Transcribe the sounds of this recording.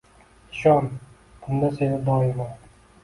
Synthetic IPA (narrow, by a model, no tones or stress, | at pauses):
ɪʃɒn | b̥ʊnd̪asenɪd̪ɒɪma